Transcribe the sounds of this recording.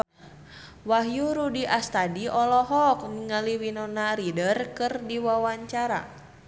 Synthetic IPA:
waɦjuɾudiʔast̪adiʔɔlɔɦɔk̚niŋaliwinɔnaɾidərkɨrdiwawaɲt͡ʃaɾa̰

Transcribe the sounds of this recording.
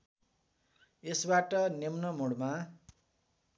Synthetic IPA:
esbaʈʌnemnʌmoɽma

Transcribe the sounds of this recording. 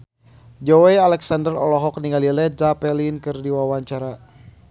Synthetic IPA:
d͡ʒɔwɛalɛksandərɔ̰lɔɦɔk̚niŋalilɛzapɛlinkɨrdiwawaɲt͡ʃaɾa

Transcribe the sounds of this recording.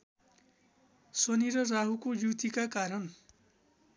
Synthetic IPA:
soniɾʌraɦukojut̪ikakaɾʌn

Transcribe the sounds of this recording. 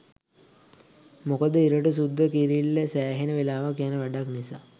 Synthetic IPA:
mukəd̪əiɾəʈəs̬ud̪ʱːəkiɾilːəsæːɦenəʋelaːʋakijanəʋaɖaknisa̰ː

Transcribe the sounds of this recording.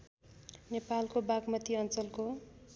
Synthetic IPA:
nepalkobaɡmʌt̪iʌnt͡sʌlko

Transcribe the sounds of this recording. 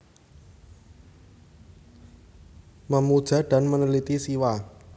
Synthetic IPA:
məmud̥ʒ̥a̤ɖ̥a̤nmənəlit̪isiwa

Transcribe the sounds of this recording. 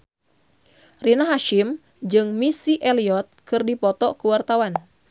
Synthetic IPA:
rinaɦaʃɪm | d͡ʒɨŋmisiʔɛliɔt̪̚kɨrdipɔt̪ɔkuwart̪awan

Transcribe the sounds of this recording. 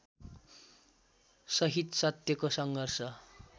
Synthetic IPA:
sʌɦit̪sat̪jʌkosʌŋɡʱʌrsʌ

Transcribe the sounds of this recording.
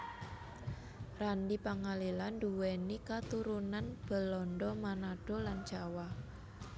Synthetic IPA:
randipaŋalilanduwenikat̪uɾunanb̥ə̤lɔnɖɔmanaɖ̥ɔ̤lan̥d͡ʒ̥awa

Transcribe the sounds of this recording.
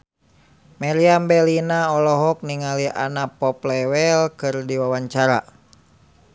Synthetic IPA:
mɛɾiambɛlinaɔlɔɦɔk̚niŋaliʔa̰napɔplɛwɛlkɨrdiwawaɲt͡ʃaɾa̰

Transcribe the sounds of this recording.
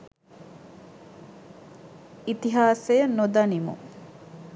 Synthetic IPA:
it̪iɦaːsejɐnod̪ɐnimṵ

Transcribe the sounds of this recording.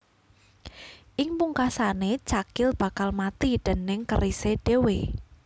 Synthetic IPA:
ʔɪŋpuŋkasanet͡ʃakɪlb̥a̤kalmat̪iɖ̥ə̤nɪŋkəɾiseɖ̥ewe

